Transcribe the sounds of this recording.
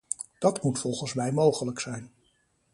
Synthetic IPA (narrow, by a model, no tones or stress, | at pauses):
d̥ɑtmutfɔlˠχənsmɛjmowχələksɛjn